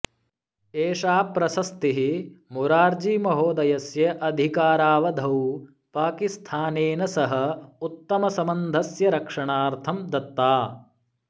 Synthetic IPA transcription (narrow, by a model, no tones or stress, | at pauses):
eːʂaːpɾɐsɐst̪iɦimuɾaːɾd͡ʒimɐɦoːd̪ɐjɐsjɐʔɐd̪ʱikaːɾaːʋɐd̪ʱɐw | paːkist̪ʰaːneːnɐsɐɦɐ̆ut̪ːɐmɐsɐmɐnd̪ʱɐsjɐɾɐkʂɐɳaːɾt̪ʰɐmd̪ɐt̪ːaː